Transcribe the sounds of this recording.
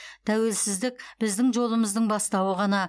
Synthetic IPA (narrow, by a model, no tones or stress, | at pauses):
t̪ʰæwe̞lsɪzd̪ɪk̚b̥ɪzd̪ɪŋʒo̞lˠəməzd̪əɴbɑst̪ɑwəʁɑnɑ